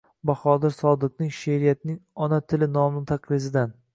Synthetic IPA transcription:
baχɒd̪ɪɾsɒd̪ɨq̚nɪŋʃeɾɪjat̪nɪŋɒnat̪ʰɪlɪnɒmnɪt̪ʰaqlɪsɪd̪an

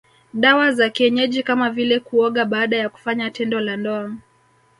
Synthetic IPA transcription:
ɗawazakiɛɲɛʄikamavilɛkuɔɠaɓaːɗajaku̥faɲatɛndɔlandɔam

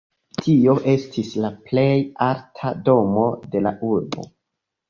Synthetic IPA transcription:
tʰio̞ʔe̞stʰislaple̞jaltʰado̞mo̞de̞la̰ʔuɾbo̞̰

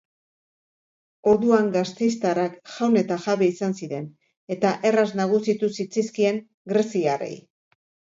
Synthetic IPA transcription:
o̞ɾðuaŋɡast̪e̞jst̪arakʝawne̞t̪aʝaβe̞isansiɾe̞n | e̞t̪aʔe̞raznaɣ̞usit̪usit͡sajskie̞ŋ | ɡɾe̞siarḛj

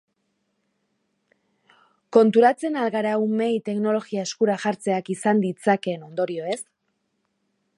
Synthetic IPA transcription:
ko̞nt̪uɾat͡se̞nalɣaɾaume̞jt̪e̞kno̞lo̞ɣiae̞skuɾaʝaɾt͡se̞akisand̪it͡sake̞no̞nd̪o̞ɾio̞e̞s

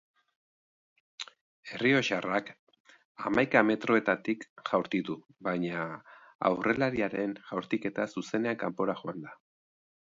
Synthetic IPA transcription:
e̞rio̞ʃarak | amajkame̞t̪ɾo̞e̞t̪at̪ikʝawɾt̪it̪u | βajɲaa̰wre̞laɾiaɾe̞nʝawɾt̪ike̞t̪asuse̞ne̞aŋkampo̞ɾaʝo̞and̪a

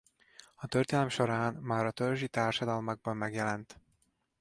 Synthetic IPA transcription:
ɒt̪ørt̪eːnɛlɛmʃo̞ɾaːnmaːɾɒt̪ølʒit̪aːrʃɒd̪ɒlmɒɡ̚bɒmmɛɡjɛlɛnt̪

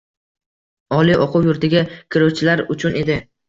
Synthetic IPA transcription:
ɒlˠiʔɒqʰʊwjʊɾt̪ɪɡʲakʲʰɪɾʊwt͡ʃʰɪlaɾʊt͡ʃʰʊne̞d̪ɪ

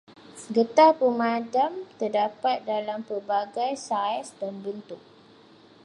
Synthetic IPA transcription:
səɡət̪apəmãdamt̪ərdapat̪̚dalampərbaɡajsaɛsdanbənt̪ʊk̚

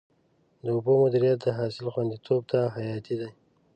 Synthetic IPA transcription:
d̪əʊbomʊd̪iɾijat̪̚d̪əɦɑsɪlxwand̪it̪ʰob̚t̪aɦajɑt̪id̪aj

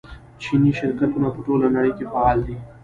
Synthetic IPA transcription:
t͡ʃʰiːniʃɪɾkət̪̚kʊnapʊʈoːlanɐɽiːkefaaːld̪iː

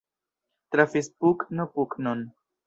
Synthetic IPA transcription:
t̪ɾafispuknopuknon

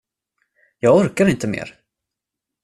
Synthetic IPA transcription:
jɑːɡɔɾkaɾɪnt̪əmḛːɾ

